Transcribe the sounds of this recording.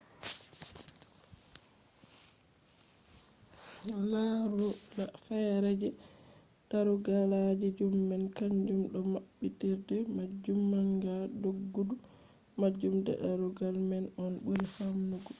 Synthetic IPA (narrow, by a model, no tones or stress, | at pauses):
laɾulafajɾɛd͡ʒɛ | ɗaɾuɡalad͡ʒɛd͡ʒumːɛnkaɲd͡ʒumɗɔmaɓːitiɾdɛmad͡ʒumːaŋɡadoɡːudu | mad͡ʒːumdɛ̰ɗaɾuɡalmɛnɔnɓuɾifamnuɡɔ